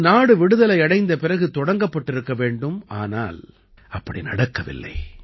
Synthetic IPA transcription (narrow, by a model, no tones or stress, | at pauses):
naːɽɯʋɪɽɯðɐlɐɪɐɽɐɪnd̪ɐpɪɾɐɣɯt̪ɔɽɐŋɡɐpːɐʈːɪɾɯkːɐʋeːɳɖɯmaːna̰ːl | ɐpːɐɽinɐɽɐkːɐʋɪ̰lːɐ̰ɪ